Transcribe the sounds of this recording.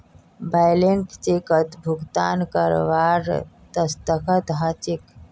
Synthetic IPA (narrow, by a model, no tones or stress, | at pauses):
baːjleɳʈt͡ʃekət̪bʱʊɡt̪a̰ːnkəɾʋaːɾ | t̪əst̪əkʰət̪ɦat͡ʃɪk